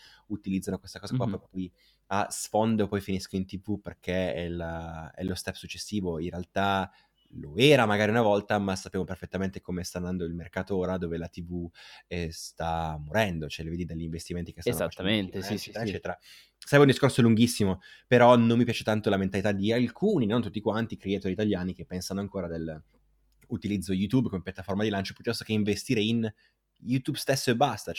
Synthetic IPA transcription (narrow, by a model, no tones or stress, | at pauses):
ut̪ilid̪zːanokwest̪akɔːzakwapɾɔjpɾopɔj | a̰sfond̪eopːɔjfiniskoint̪ivuperk̟ʰeɛlaɛ̰lost̪ɛpːsut͡ʃːesːiːvoinrealt̪a | loɛːɾamaɡaːɾiunavɔlt̪amasapːjaːmoperfet̪ːament̪ekomest̪and̪and̪oilmerkaːt̪ooːɾad̪oːvelat̪ivuɛst̪amːoɾɛnd̪ot͡ʃoɛleveːd̪id̪aʎːiɱvest̪iment̪ikest̪anːat̪ːament̪est͡ʃɛɾt͡ʃːɛːt̪eɾa | saɾɛbːeund̪iskorsoluŋɡisːimopeɾɔnomːipjaːt͡ʃet̪ant̪olament̪alit̪ad̪ialkʰuːninont̪ut̪ːikwant̪ikɾiet̪oːɾiːt̪aljaːnikepːɛnsanoaŋkoːɾad̪el | ut̪ilid̪zːojut̪ubkomepjat̪ːaformad̪ilant͡ʃo̥pjut̪ːɔst̪o̥keiɱvest̪iːɾein | jut̪ubst̪esːoebːast̪a